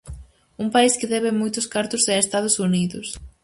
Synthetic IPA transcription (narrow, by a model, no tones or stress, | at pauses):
uŋpaiskɪðɛβɪmojt̪ʊskaɾt̪ʊsɛest̪að̞ʊsuniðʊs